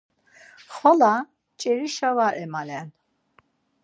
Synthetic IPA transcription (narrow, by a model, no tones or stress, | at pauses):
χɔla | t͡ʃʼɛɾiʃavaɾɛmalɛn